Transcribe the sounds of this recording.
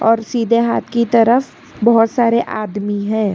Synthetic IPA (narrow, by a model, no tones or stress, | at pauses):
ɔːɾsiːd̪ʱeɦaːt̪ʰkit̪ɐɾəf | bɐɦʊt̪saːɾeʔaːd̪miɦɛ̃ː